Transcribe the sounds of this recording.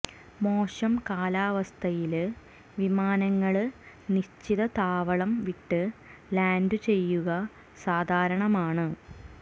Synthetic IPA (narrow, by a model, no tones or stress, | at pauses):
mo̞ːʂɐmkaːlaːʋɐst̪ʰɐjil | ʋimaːnɐŋːɐɭ | niɕt͡ɕːiðɐt̪aːʋɐɭɐmʋiʈːɨlaːndut͡ɕe̞jːuɣɐ | saːd̪ʱaːɾɐɳɐmaːɳɨ